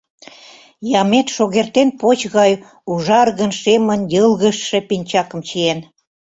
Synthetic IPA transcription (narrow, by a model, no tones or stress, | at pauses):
jɑmet̪ʃoɣert̪enpot͡ɕɣɑj | uʒɑrɣənʃemənjəlɣəʃːĕpinʲt͡ɕɑkə̆mt͡ɕien